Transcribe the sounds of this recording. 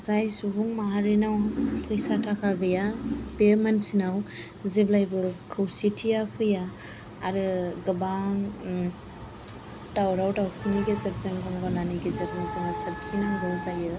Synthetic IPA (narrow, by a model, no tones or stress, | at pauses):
zajsubuŋmaaɾinawpʰɯjsatʰakʰaɡɯjapeɾmansinaw | zeblajbɯkʰɯwsitʰijapʰɯjaː | ɾɯɡɯbaŋ | tawɾawtawsniɡezaɾzeŋɡɯŋɡɔnaniɡezaɾzeŋzaŋasɯɾ̚kʰinaŋɡɯzajɯ